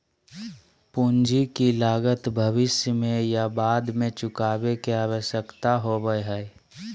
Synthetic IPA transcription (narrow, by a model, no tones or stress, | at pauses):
pund͡ʒikilaːɡət̪bʱəʋɪsjəmẽjabaːd̪mẽt͡ʃʊkaːbekeaːwəʃjəkt̪aɦobəɦɛː